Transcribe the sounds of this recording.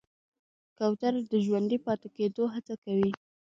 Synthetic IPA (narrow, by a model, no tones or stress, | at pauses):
kawt̪aɾd̪əʒwand̪ipɑt̪eked̪oɦat͡sakawi